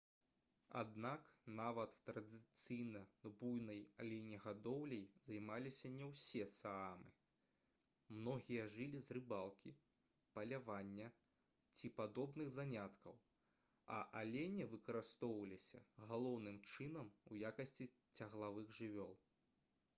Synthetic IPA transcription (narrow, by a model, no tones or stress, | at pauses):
a̰d̪naknavɐt̪ːɾɐd̪ɨt̪sɨjnɐbujnɐjalʲenʲiɣad̪ɔwlʲɛjzajmalʲisʲɐnʲɛwsʲɛsaamɨ | mnɔɣʲijɐʐɨlʲizrɨbalˠkʲi | pɐlʲavanʲːɐ | t͡sʲipad̪ɔbnɨɣzanʲat̪kɐw | ɐ̰ʔalʲenʲivɨkɐɾɨst̪ɔwvɐlʲisʲɐ̰ɣalˠɔwnɨmt͡ʂɨnɐmujakɐsʲt͡sʲi | t͡sʲaɣlˠavɨɣʐɨvʲɔlˠ